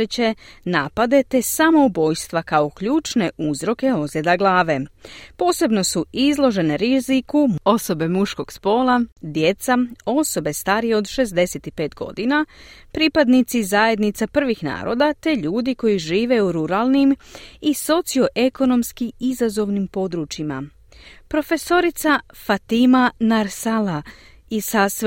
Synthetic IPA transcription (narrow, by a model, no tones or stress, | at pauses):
et͡ɕenaːpad̪e̞t̪e̞samo̞ubo̞jst̪ʋakao̞kʎuːt͡ʃne̞ʔuzɾo̞ke̞o̞zjed̪aɡlˠaːʋe̞po̞ːse̞bno̞suizlˠo̞ʒe̞neɾizikuo̞so̞be̞muʃko̞ɡ̥spo̞ːlad̪je̞t̪sao̞so̞be̞st̪aːɾijeo̞d̪ʃe̞zd̪e̞set̪ipe̞ːt̪ɡo̞̰d̪inapɾipad̪nit̪sizajed̪nit̪sapr̩ʋixna̰ːɾo̞̰ːd̪at̪e̞ʎuːd̪iko̞jiʒiːʋe̞uɾuɾaːlˠnimiso̞t̪sio̞ʔe̞ko̞no̞mskiizazo̞ʋnimpo̞d̪ɾut͡ʃima̰ | pɾo̞fe̞so̞ɾit̪safat̪imanaɾsala | isas